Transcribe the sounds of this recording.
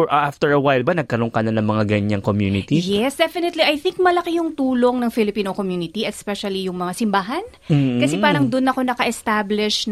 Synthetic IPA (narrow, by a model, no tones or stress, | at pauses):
ʔɐʔaft̪ɛɹɐwajlbanɐɡ̚kɐɾoŋkɐnɐnɐŋmɐŋaɡɐɲaŋkomjunɪt̪ijɛsd̪ɛfɪnɛt̪liʔɐjθɪŋk̚mɐlɐkijʊŋt̪uːlo̞ŋnɐŋfɪlɪpiːnokomjuːnɪt̪iʔɛspɛʃɐlijʊŋmɐŋasɪmbaːɦɐn̩ː | kɐsɛpaːɾɐŋd̪ʊnːɐko̞nɐkɐʔɛst̪ablɪʃn